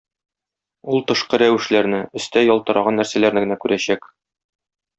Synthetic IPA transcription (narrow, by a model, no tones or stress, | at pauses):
ulˠt̪ɤ̆ʃqɤɾæwɘ̆ʃlæɾnɘɘ̆st̪æjɒlˠt̪ɤ̆ɾɑʁɑnːæɾsælæɾnɘɡɘ̆nækʉɾæɕæk